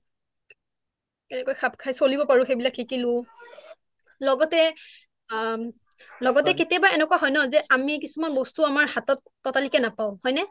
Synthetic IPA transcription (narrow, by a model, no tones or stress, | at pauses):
ɛnɛkwajxʰab̚kʰajsolibɔpaɹʊ̃xejbilakʰːikilʊ̃ | lɔɡɔtɛ | lɔɡɔtɛketiabaɹɛnɛkwaɦɔjnɔzɛʔamikisumanbɔstuamaɹhatɔtːɔtalikɛnapaʊ̃hɔjnɛ